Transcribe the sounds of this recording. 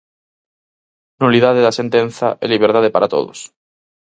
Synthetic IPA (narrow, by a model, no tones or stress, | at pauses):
nuliðaðeðasent̪ẽn̟θa̰ʔɛ̰liβ̞eɾt̪aðepa̰ɾat̪o̰ðo̰s